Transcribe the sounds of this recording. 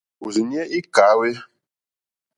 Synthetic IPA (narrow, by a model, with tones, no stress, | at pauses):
u˨zi˨ɲi˦ɛ˦ʔi˦ka˨˦we˦